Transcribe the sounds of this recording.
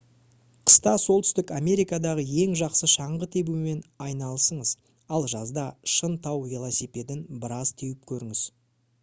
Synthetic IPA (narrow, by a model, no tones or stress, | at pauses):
qʰə̥st̪ɑso̞lˠt̪ʏ̥st̪ɪkamʲe̞ɾijkad̪ɑʁəje̞ŋʒɑqsəʃɑɴʁət̪ʰe̞bume̞nɑjnɑlˠəsəɴəz | ɑlˠʒɑzd̪ɑʃənt̪ʰɑwvilˠasipʲe̞d̪ɪnbəɾɑzt̪ʰewɪp̚kʲʰɵɾɪŋɪz̥